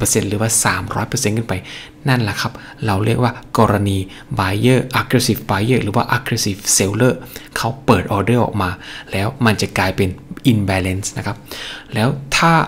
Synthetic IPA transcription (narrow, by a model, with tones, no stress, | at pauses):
pːɤː˧se˧nɾɯː˩˦waː˥˩saː˩˦mɾɔː˦˥jpɤː˧se˧nkʰɯ˥˩npa˧j | na˥˩nla˨˩kʰa˦˥p̚ | ɾa˧wɾi˥˩ək̚waː˥˩kɔː˧ɾa˧niː˧ | baː˧jɤː˥˩ʔa˦˥kɾe˧˥si˨˩baː˧jɤː˥˩ɾɯː˩˦waː˥˩ʔa˦˥kɾe˧si˨˩fse˧wlɤː˥˩kʰa˦˥wpɤː˨˩t̪̚ʔɔː˧dɤː˥˩ʔɔ̰ː˨˩k̚maː˧lɛː˦˥wma˧nt͡ɕa˨˩klaː˧jpe˧nʔi˧nbɛː˧le˦˥nsna˦˥kʰa˦˥p̚lɛː˦˥wt̪ʰaː˥˩